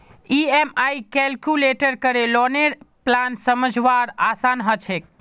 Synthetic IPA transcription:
iemajkɛlkjuleʈəɾkəɾelɔneɾplansəməd͡ʒʱʋaɾasanɦət͡ʃʰek̚

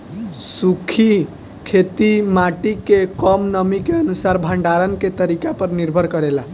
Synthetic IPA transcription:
sukʰi | kʰet̪imaʈikekɔmnəmikeənusaɾbʱãɳɖaɾənket̪əɾikapəɾniɾbʱəɾkəɾela

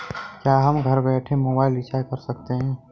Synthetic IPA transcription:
kjaɦəmɡʱəɾbeʈʰemobaɪlit͡ʃakəɾsəkt̪eɦĩ

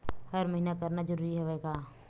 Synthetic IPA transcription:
hɐɾmɐɦinakɐɾnad͡ʒɐɾuːɾiɦoʋeːɡaː

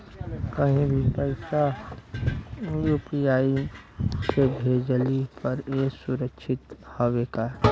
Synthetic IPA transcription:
kəɦĩbʱipəɪsa | juːpijaːi | sebʱeːd͡ʒlipəɾeːsʊɾəkʃʰɪt̪hɔʋekaɛ

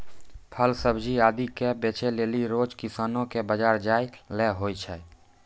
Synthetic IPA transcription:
pʰəlsəbd͡ʒʱiaːd̪ikebet͡ʃeleːliɾoːd͡ʒkɪsaːnõkebəd͡ʒaːɾd͡ʒaːilɛɦoit͡ʃʰɛ

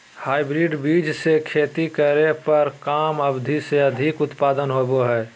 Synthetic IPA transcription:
haːɪbɾiɖbiːd͡ʒsekʰeːt̪ikəɾepəɾkaːməbd̪ʱiseəd̪ʱikʊt̪paːd̪ənɦoboɦɛː

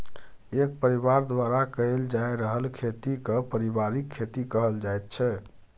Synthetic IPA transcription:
ek̚pəɾiβaɾd̪waɾakəeld͡ʒajɾəɦəlkʰet̪ikəpəɾibaɾikʰːet̪ikəɦəld͡ʒajt̪̚t͡ʃʰɛ

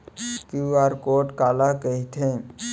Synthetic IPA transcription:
kiaːɾkoːʈkaːlakəɦit̪ʰẽ

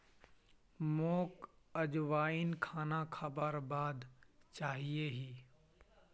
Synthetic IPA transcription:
moːkəd͡ʒʋaːinkʰaːnakʰəbəɾbaːd̪t͡ʃaːɦieɦiː

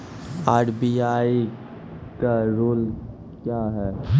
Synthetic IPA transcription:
aːʈbiaːi | kaɾoːl | kjaːɦɛ

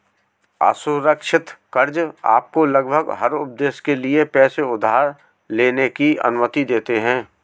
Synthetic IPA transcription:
a̰ːsʊɾəkʃɪt̪kəɾd͡ʒa̰ːp̚kolɐɡbʱəɡɦəɾʊp̚d̪eːskeliepɛːseʊd̪ʱːaːɾ | leːnekiɐ̰nʊmət̪id̪eːt̪eɦɛ̃ː

